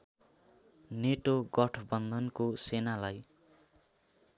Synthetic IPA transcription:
neʈoɡʌʈʰbʌnd̪ʱʌnkosenalaj

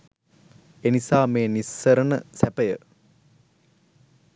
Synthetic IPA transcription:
enisaːmeːnisːɐɾənəsæpɐjə̰

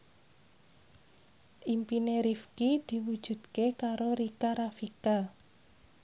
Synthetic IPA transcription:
ʔimpineɾifkid̪̥i̤wud̥ʒ̥ṳd̪̥̚kekaɾoɾikaɾafika

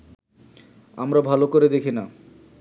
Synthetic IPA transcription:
a̰mɾabʱalokoɾed̪ekʰina

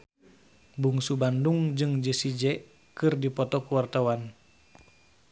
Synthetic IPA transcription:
buŋsubanduŋd͡ʒɨŋd͡ʒəsid͡ʒɛ | kɨrdipɔt̪ɔkuwart̪awan

